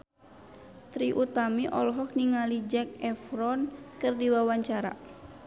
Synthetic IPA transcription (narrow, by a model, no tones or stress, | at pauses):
t̪ɾiʔut̪amiʔɔlɦɔk̚niŋalid͡ʒɛk̚ɛfɾɔnkɨrdiwawaɲt͡ʃaɾa̰